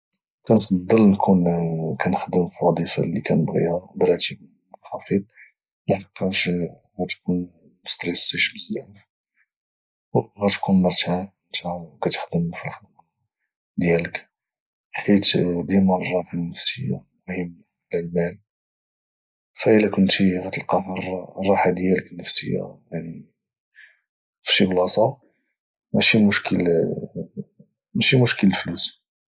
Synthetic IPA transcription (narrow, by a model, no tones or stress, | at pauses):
kænfɑd̪ˤːəlnkunkænxd̪əmfilwɑd̪ˤifa̰likænəbɣḭhab̪ɾˤɑt̪ib | xɑfid̪̚ˤ | ləħəqːɑʃ | ɣæt̪kʰun | st̪ɾɛsːiʃbəzːæʕf | wɣæt̪kunmɑɾˤt̪a | nt̪ækæt̪ə̥xd̪əmfilxəd̪m | d̪jælək | ħit̪d̪imɑnrˤːɑħanːəfsəjːa̰mʊhəmː | lælmæn | fæʔəlækʊnt̪iɣæt̪əlqɑmɑɾˤɑrˤːɑħad̪jæləknəfsə̰jːa̰jani | fi̥ʃiblɑsˤɑ | mæʃimʊʃkʰəl | mæʃimʊʃkələflus